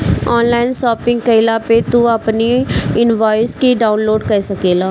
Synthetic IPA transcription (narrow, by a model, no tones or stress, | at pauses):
ɔːnlaːɪnsɔːpɪ̃ŋɡ̚kəɪlaːpet̪uəpniɪnʋaːɪskiɖaːʊnloːɖkəsəkeːlaː